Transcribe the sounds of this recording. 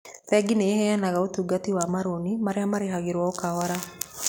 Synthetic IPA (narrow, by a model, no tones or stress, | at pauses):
fɛɡineehɛɛnaɣaotuɡatiwamaɾonimaɾeamaɾeɦaɣeɾwaɔkawaɾa